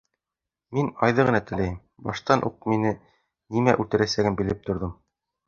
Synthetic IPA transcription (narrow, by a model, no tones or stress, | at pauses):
minɑjðɤʁɤ̆nɑt̪ɘ̆læjm | bɑʃt̪ɑnʔṵq̚minɘ | nimæʔʉt̪ɘ̆ɾæsæɡɘnmbĭlɘp̚t̪ŏɾðɤm